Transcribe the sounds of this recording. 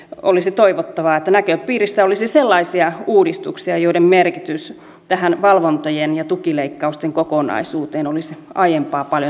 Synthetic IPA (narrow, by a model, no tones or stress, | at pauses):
o̰lisit̪oiʋot̪ːɑʋɑet̪ːænækøppiːrisːæolisiselːɑisiɑuːdist̪uksiɑjoiɾemmerkit̪ys | t̪æhænʋɑlʋont̪ojenjɑt̪ukileikːɑust̪eŋkokonɑ̰isuːt̪eːnolisiʔɑjempɑːpɑljo